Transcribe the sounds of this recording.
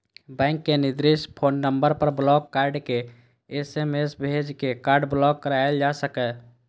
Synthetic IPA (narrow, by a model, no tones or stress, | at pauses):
bɛ̃ɪŋkːenɪd̪ɾɪʃpʰonːəmbəɾpəɾblɔkːaɾɖke | esemesbʱed͡ʒkekaːɾɖblɔɡːəɾaeld͡ʒasəkɛ